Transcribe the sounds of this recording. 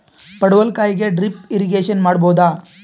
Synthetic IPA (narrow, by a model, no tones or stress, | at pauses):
pɐɽɐʋɐlkaːjiɡeɖɾipiɾiɡeːʃɐnmaːɽboːd̪aː